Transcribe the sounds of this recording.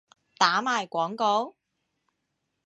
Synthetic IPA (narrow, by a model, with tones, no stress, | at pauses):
t̪aː˨˥maː˨jkʷɔː˨˥ŋkɔ˨˧˥w